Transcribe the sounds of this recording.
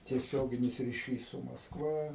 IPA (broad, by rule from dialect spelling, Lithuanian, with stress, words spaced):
tʲiɛˈsʲoːɡʲɪnʲɪs rʲɪˈʃʲiːs sʊ mɐskˈʋɐ